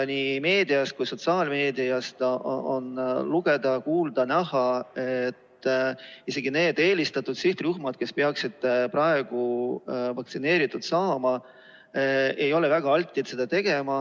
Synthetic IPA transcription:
nime̞ːd̪iɑst̪kujso̞t̪sɑːlme̞ːd̪iɑst̪oo̰nluɡ̥e̞d̪ɑkuːld̪̥ɑnæɦɑet̪ː | ise̞ɡ̥ine̞ːd̪̥e̞ːlist̪ɑt̪ːˑud̪̥siht̪ruhmɑd̪̥̚ke̞speɑksid̪̥̚prɑe̞ɡ̥uvɑkt̪sine̞ːɾit̪ːˑud̪̥sɑːmɑ | e̞jo̞levæɡ̥ɑɑlt̪ʲˑːit̪se̞d̪ɑt̪e̞ɡ̥e̞mɑ

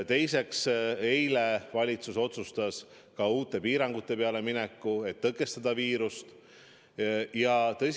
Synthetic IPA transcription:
t̪e̞jse̞ksejle̞vɑlʲit̪suso̞t̪sust̪ɑs | kɑuːt̪ːˑe̞piːɾɑŋɡ̥ut̪ːˑe̞pe̞ɑle̞minɛkːue̞t̪ːɤkːˑe̞st̪ɑd̪̥ɑviːɾust̪ | jɑt̪ɤjs

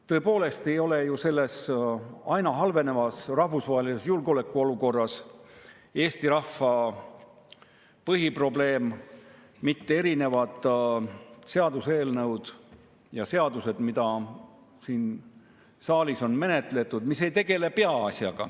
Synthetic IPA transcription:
t̪ɤ̞epo̞ːle̞st̪e̞jo̞lejuse̞lːe̞s | ɑjnɑɦɑlve̞ne̞vɑsrɑhvusvɑːɦelise̞sjulɡo̞le̞kːˑuo̞luko̞rːɑs | e̞ːst̪iɾɑhːɑ | pɤɦipro̞ble̞ːmː | it̪ːee̞ɾine̞vɑd̪̥ | se̞ɑd̪use̞ːlnɤwd̪̥ | jɑse̞ɑd̪use̞d̪̥mid̪̥ɑ | siːn | sɑːliso̞nme̞net̪le̞t̪ːˑud̪mise̞jt̪e̞ɡ̥e̞le̞pe̞ɑɑsʲjɑ̰ɡ̥ɑ̰

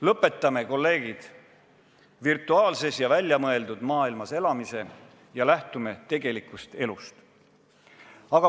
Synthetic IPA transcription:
lɤpːˑe̞t̪ːˑɑme̞ko̞lːe̞ːɡ̥id̪̥ | virt̪ːˑuɑːlse̞sjɑvælʲjɑmɤe̞ld̪ud̪̥mɑːilmɑse̞lɑmise̞ | jɑlæht̪ume̞t̪e̞ɡe̞likːˑust̪e̞lust̪ | ɑɡ̥ɑ

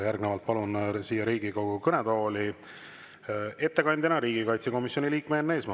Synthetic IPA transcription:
jærɡnevɑlt̪̚pɑlunsiːjːɑɾiːɡ̥iko̞ɡ̥ukɤned̪o̞ːli | e̞t̪ːe̞kɑnʲd̪̥ʲɑnɑɾiːɡ̥ikɑjt̪seko̞misjo̞nʲiliːkmenːe̞ːsmɑ

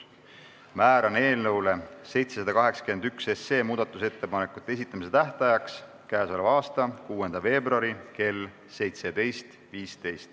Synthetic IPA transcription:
mæːɾɑne̞ːlnɤwlese̞jt̪se̞sɑd̪ɑkɑɦe̞ksɑ̥ky̟me̞nd̪yksesːe̞ːmuːd̪̥ɑt̪ːˑuse̞t̪ːe̞pɑnekːˑut̪ːˑeesit̪ːˑɑmise̞t̪æht̪ɑjɑks | kæːsolevɑːst̪ɑkuːe̞nd̪̥ɑve̞ːbruɑɾike̞lː | se̞jt̪se̞d̪e̞jst̪ | viːst̪e̞jst̪

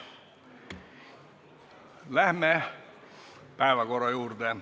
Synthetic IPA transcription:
læhmeː | pæˑiʋækɡorojuːrt̪eː

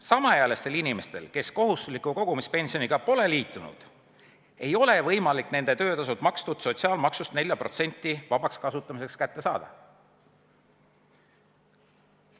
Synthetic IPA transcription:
sɑmɑjæle̞st̪e̞linime̞st̪e̞̰lke̞sko̞ɦust̪uslikːˑuko̞ɡ̥umispe̞nʲsio̞niɡ̥ɑpo̞le̞liːt̪ːˑunṵd̪̥ | e̞jo̞le̞vɤ̞jmɑlikne̞nd̪̥e̞t̪ø̞ːt̪ɑsut̪mɑkst̪ut̪so̞t̪siɑːlmɑksust̪ne̞lʲjɑpɾro̞t̪se̞nʲt̪ːˑivɑb̥ɑkskɑsut̪ˑːɑmis̬e̞kskæt̪ːe̞sɑːd̪̥ɑ

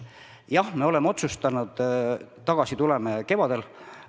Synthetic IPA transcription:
jɑhme̞o̞lemːeo̞t̪sust̪ɑnud̪̥ | t̪ɑɡ̥ɑsit̪ulemeke̞vɑd̪e̞l

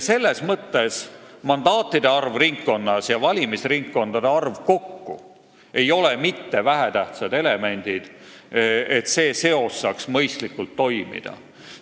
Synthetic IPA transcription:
se̞lːe̞smɤt̪ːe̞smɑnd̪ɑːt̪ːˑid̪̥e̞ɑrvriŋkːo̞nːɑsjɑvɑlʲimisriŋkːo̞nd̪̥ɑd̪̥e̞ɑrvko̞kːu | e̞jo̞le̞mit̪ːe̞væɦet̪æht̪sɑd̪e̞le̞me̞nʲd̪̥id̪̥ | et̪se̞ːse̞o̞sːɑksmɤjst̪likːult̪ːo̞jmḭd̪̥ɑ̰

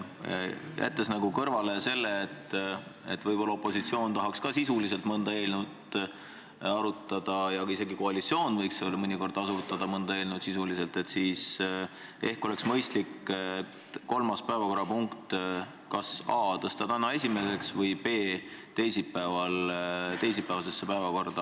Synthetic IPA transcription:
jæ̰t̪ːˑesnɑɡukɤrvɑle̞se̞lːeːt̪ːḛt̪ːvɤjbo̞lːɑopːˑo̞sit̪sio̞ːnt̪ɑɦɑkskɑsisulise̞lt̪mɤnd̪̥ɑe̞ːlnud̪ | ɑɾut̪ːˑɑd̪̥ɑjɑise̞ɡikoɑlit̪sio̞ːnvɤjksseolmɤnʲiko̞rd̪̥ɑsut̪ːɑd̪ɑmɤnd̪ɑe̞ːlnud̪sisulise̞lt̪e̞t̪siːs | e̞hko̞le̞ksmɤjst̪likːet̪ko̞lmɑspæevɑko̞ɾɑpuŋkt̪ | kɑsɑːt̪ɤst̪ɑt̪ænɑe̞sʲime̞se̞ksvɤjpe̞ːt̪e̞jsipːæːvɑlt̪e̞js̬ipːˑæeɑs̬e̞sːepæevɑko̞rd̪̥ɑ

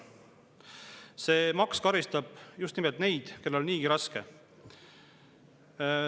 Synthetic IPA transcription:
se̞ːmɑkskɑɾist̪ɑb̥just̪nimɛlt̪ne̞jd̪̥ke̞lːo̞lniːɡ̥iɾɑskḛ

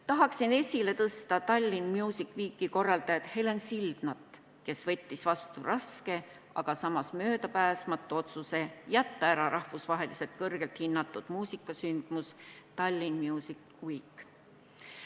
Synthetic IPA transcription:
t̪ɑɦɑksine̞sʲile̞t̪ɤst̪ɑt̪ɑlʲːinmjuːsikːˑviːkːˑiko̞rːɑld̪̥ɑjɑt̪he̞lensild̪̥nɑt̪ˑː | ke̞svɤ̞t̪ʲːisvɑst̪urʔɑske̞ | ɑ̰ɡ̥ɑsɑmɑsmø̞ːd̪ɑpæːsmɑt̪ːˑuo̞t̪suse̞jæt̪ːɑæɾɑɾɑhvusvɑɦe̞lise̞lt̪̚kɤrɡ̥e̞lt̪hinːɑt̪ːˑud̪̥muːsikːˑɑsynd̪̥must̪ɑlʲːinmjuːsik | viːkˑː

